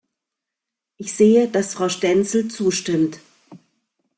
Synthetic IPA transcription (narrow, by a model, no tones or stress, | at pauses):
ʔɪçz̥eːəd̥asfʁ̥aʊʃtɛnt͡sl̩t͡suːʃtɪmt